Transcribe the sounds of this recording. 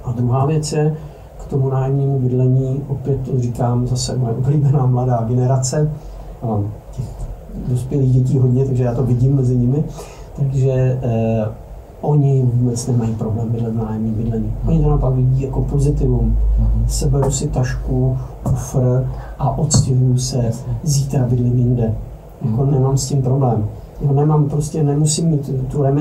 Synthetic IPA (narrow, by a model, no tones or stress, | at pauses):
ʔad̪ɾuɦaːvjɛt͡sjɛ | kt̪o̞munaːjɛmɲiːmubɪdlɛɲiːʔo̞pjɛt̪t̪orikaːmzasɛ̰mojɛʔobliːbɛnaːmladaːɡɛnɛɾat͡sɛ | cɛx | dospjɛliːɣɟɛc̬iːɦo̞dɲɛt̪aɡʒɛjaːt̪o̞vɪɟɪmːɛzɪɲɪmɪ | t̪aɡʒɛ | ʔo̞ɲɪvuːbɛt͡snɛmajipɾoblɛːmbɪdlɛznaːjɛmɲiːbɪdlɛɲiːʔoɲɪt̪onapakvɪɟiːjako̞po̞zɪt̪ɪvumsɛbɛɾusɪt̪aʃkukufɾ̩ʔaʔot̪scɪvjusɛzit̪ɾabɪdlɪmjɪndɛ | jakonɛmaːmscimpɾo̞blɛːm | janɛmampɾoscɛnɛmusimːiːt̪ːuɾɛmɛ